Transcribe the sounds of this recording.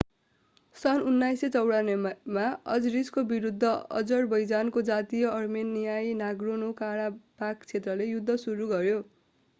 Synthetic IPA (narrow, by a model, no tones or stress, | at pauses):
sʌnunːajset͡sʌwɽanemaʌd͡zriskobiɾud̪ʱːʌʌ̰d͡zʌrbʌjd͡zankod͡zat̪ijʌʌrmenːijajnaɡronokaɽabakt͡sʰet̪rʌlejud̪ʱːʌsuɾuɡʌɾjo